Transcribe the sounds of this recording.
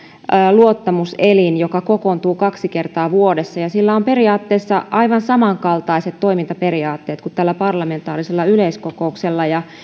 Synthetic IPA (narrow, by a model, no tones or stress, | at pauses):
luot̪ːɑmuselinjokɑkokont̪uːkɑksikert̪ɑːʋuodesːɑjɑsilːæompe̞riɑːt̪ːeːsːɑʔɑiʋɑnsɑmɑŋkɑlt̪ɑiset̪tːo̞imint̪ɑperiɑːt̪ːe̞ːt̪kut̪t̪ælːæpɑrlɑme̞nt̪ɑːriselːɑyleiskokoukselːɑjɑ